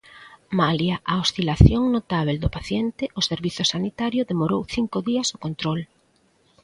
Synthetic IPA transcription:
maljaʔaosθilaθjoŋnot̪aβ̞eld̪ʊpaθjent̪ɪʔoseɾβiθʊsanit̪aɾjʊðemoɾowθiŋkoðiɐsokont̪ɾol

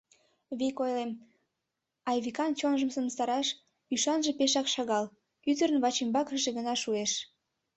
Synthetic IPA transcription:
βikojlem | ɑjβikɑnt͡ɕonʒəmsəmst̪ɑɾɑʃ | yʃɑnʒepeʃɑkʃɑɣɑl | yd̪əɾənβɑt͡ɕembɑkəʃeɣənɑʃueʃ

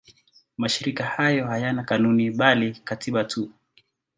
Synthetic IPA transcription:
maʃiɾikahajɔhajanakanuniɓalikatʰiɓatʰu

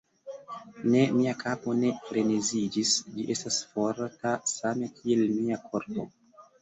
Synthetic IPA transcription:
ne̞miakʰapo̞ne̞ɾenezid͡ʒisd͡ʒiʔe̞stasfo̞ɾtasame̞kʰie̞lmiakʰo̞ɾpo̞̰

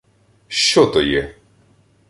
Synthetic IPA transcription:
ʃt͡ʃɔt̪ɔjɛ

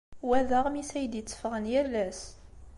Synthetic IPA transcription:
wæðəʁmisæjəd̪jət͡sːə̥fʁənjælːæs

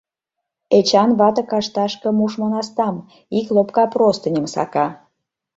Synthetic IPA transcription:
et͡ɕɑnβɑt̪əkɑʃt̪ɑʃkə̆muʃmɑnɑst̪ɑm | iklopkɑprost̪ə̆nʲə̆msɑ̰kɑ

